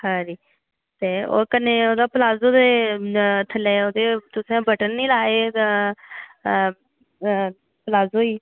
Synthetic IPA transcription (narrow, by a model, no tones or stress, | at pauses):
hãːɾiː | t̪eːo̰ːkəneːoːd̪aːplaːzoːd̪eː | t̪ʰəleːoːd̪eːt̪ʊsɛ̃ːbəʈənːĩːlaːeː | plaːzoːiː